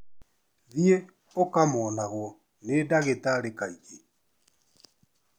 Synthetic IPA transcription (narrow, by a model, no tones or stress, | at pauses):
ðie | okamɔːnaɣwɔ | nedaɣetaɾekaiɣe